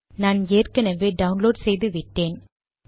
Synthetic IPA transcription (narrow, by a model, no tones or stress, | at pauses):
naːneːrkɐnɐʋeːɖɐʋʊnloːɖsɛjðɯʋɪʈːeːn